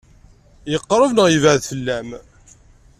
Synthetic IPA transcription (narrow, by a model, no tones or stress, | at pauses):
jəqːɾˤəvnəʁjəvəʕðfəlːæm